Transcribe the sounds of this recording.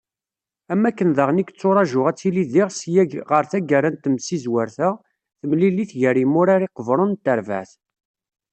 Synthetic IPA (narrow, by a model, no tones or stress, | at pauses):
æmːækːənðəʁnikət͡sːoɾˤɑʒʊʁæt͡sːiliðiʁsjæʁəɾθæɡərənt̪əmsizwəɾθə | θəmlilːiθʝəɾimʊɾaɾiqəvɾˤont̪ːəɾvæ̰θ